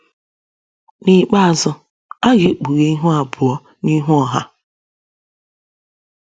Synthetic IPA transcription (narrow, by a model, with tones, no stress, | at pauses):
ni˨k͡pa˦˨zʊ˦ | a˦ɣe˨˦k͡pu˨ɣe˦i˦ɦu˦a˨bʊ˨ɔ˦ | ni˦ɦu˦ɔ˨ɦa̰˦